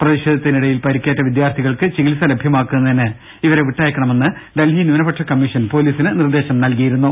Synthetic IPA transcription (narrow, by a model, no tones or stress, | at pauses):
prɐðiɕed̪ʱɐt̪ːiniɽɐjilpɐɾikʲːeːʈːɐʋid̪jaːrt̪ʰiɣɐɭkɨt͡ɕiɣilsɐlebʱjɐmaːkːunːɐðinɨ | iʋɐɾe̞ʋiʈːaːjɐkːɐɳɐme̞nːɨɖelɦinunɐbɐʈʂʰɐkɐmːiʂɐnpo̞ːliːsinɨnird̪e̞ːɕɐmnɐlkijiɾunːu